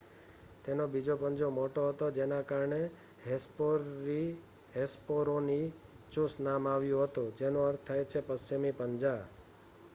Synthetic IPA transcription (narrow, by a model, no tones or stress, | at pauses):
t̪enobid͡ʒopəɲd͡ʒomoʈoɦət̪od͡ʒenakaɾɳe | ɦpoi | ɦespoɾoni | t͡ʃũsnamaʋjũɦət̪ud͡ʒenũəɾt̪ʰːajet͡ʃʰepəst͡ʃimipəɲd͡ʒa